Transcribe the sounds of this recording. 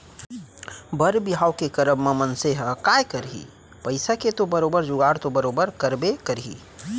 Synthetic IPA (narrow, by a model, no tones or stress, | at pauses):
bəɾbiɦawkekəɾəmːəmənseɦəkajkəɾɦḭ | pəɪsaket̪obəɾobəɾd͡ʒʊɡaɾt̪obəɾoːbəɾkəɾbekəɾɦḭ